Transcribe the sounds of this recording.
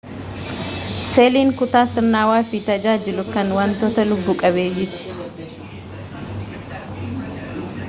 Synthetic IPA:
seːliːŋkʊt̪aːsɪɾnaːwaːfit̪ɐd͡ʒaːd͡ʒɪlʊkɐnwaːnt̪oːt̪ɐlʊbːukʼɐβeːd͡ʒɪt̪ɪ̥

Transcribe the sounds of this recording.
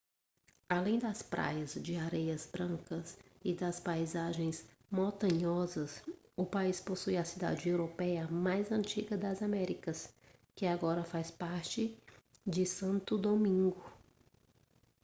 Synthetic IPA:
alẽj̃d̪ɐspɾʔa̰jɐzd͡ʒɪaɾejɐzbɾɐ̃ŋkɐsɪd̪ɐspajzaʒẽj̃s | mõt̪ɐ̃ɲɔzɐs | ʊpaisposujɐsid̪a̰d͡ʒɪewɾopɛjɐmajzɐ̃t͡ʃiɡɐd̪ɐzamɛɾikɐs | kɪaɡɔɾɐfajspaɾt͡ʃɪd͡ʒɪsɐ̃nt̪ʊd̪omĩŋɡʊ

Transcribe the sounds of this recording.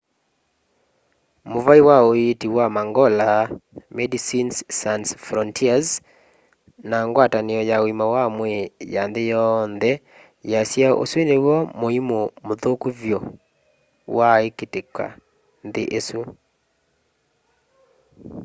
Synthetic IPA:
movaiwaoetiwamaŋɡɔlamɛdisinssansfɾɔntʰiaz | naŋɡwataneɔjaoimawamwɛjanðejɔnðɛ | jasjao̰swenewɔmoimomoðokuvjɔ | waeketeka̰ | nðeʔesu

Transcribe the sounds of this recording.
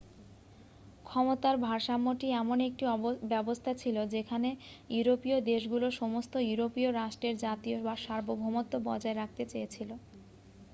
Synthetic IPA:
kʰɔmot̪aɾbʱaɾʃamːoʈiɛmonek̚ʈiɔbɛbost̪ʰat͡ɕʰilod͡ʑekʰanejuɾopiod̪eʃɡuloʃɔmost̪ojuɾopioɾaʃʈɾeɾd͡ʑat̪iobaɾʃaɾbobʱomot̪ːobɔ̰d͡ʑaeɾak̚t̪et͡ɕejet͡ɕʰilo

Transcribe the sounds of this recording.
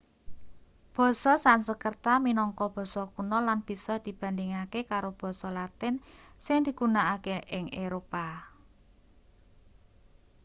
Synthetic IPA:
b̥ɔ̤sɔsansəkərt̪aminɔŋkɔb̥ɔ̤sɔkunɔlanb̥i̤sɔd̪̥i̤b̥a̤nd̪ɪŋakekaɾob̥ɔ̤sɔlat̪ɪnsɪŋd̪̥i̤ɡ̥unaʔːkeʔɪŋʔeɾopa

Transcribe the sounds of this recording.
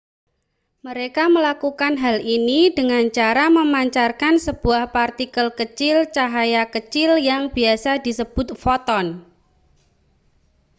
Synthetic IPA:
məɾekaməlakukanɦalinidəŋant͡ʃaɾaməmaɲt͡ʃarkansəb̥uahpart̪ikəlkət͡ʃɪlt͡ʃaɦajakət͡ʃɪljaŋbiasadisəb̥ʊt̪̚fɔt̪ɔn

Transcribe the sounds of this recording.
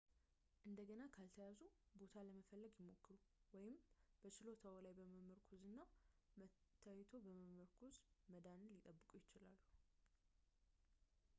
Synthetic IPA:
ʔɨnd̪əɡənakʰalt̪ʰəjazubo̞t̪ʰaləməfəlːəɡjɪmo̞kːɨɾuwɔjɪmb̥ət͡ʃɪlo̞t̪ʰəwlajbəməməɾkʰuzɨnːamət̪ʰːajɛt̪ʰo̞bəməməɾkʰuzməd̪anlɪt̪ʼəbːɨkʼujɪt͡ʃɪlalːu

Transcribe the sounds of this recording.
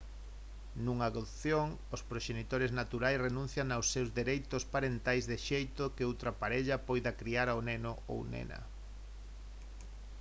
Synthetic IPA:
nuŋaðoθjoŋ | ospɾoʃenit̪oɾeznat̪uɾajsrenũn̟θjaŋawsːewzðeɾejt̪ospaɾent̪ajzðeʃejt̪okɪowt̪ɾɐpaɾeʎɐpojðakɾiaɾaonenoo̰wnḛnɐ̰

